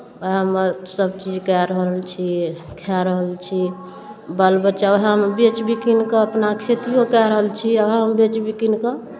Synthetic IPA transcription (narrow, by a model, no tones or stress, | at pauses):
oɦəməɾsəbt͡ʃid͡ʒkɛɾəɦəlt͡ʃʰikʰɛɾəɦəlt͡ʃʰi | bəlbət͡ʃaoɦəmbet͡ʃbʱikinkəəpnakʰet̪ijokɛɾəɦəlt͡ʃʰiəɦəmbet͡ʃbikinkə